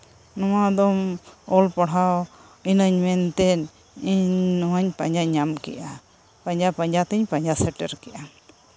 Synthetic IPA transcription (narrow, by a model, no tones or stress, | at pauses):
nɔwad̪ɔmɔlpɔɽ̤aw | inəɲmɛnt̪ɛn | iɲɲnɔwaɲpa̰ɲd͡ʒaɲamkɛ̰ʔa | paɲd͡ʒapaɲd͡ʒat̪əɲpaɲd͡ʒasɛʈɛɾkɛʔa